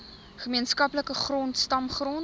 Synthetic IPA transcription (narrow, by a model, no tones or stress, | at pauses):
χəmiənskɐpləkəχrɔntstɐmχrɔn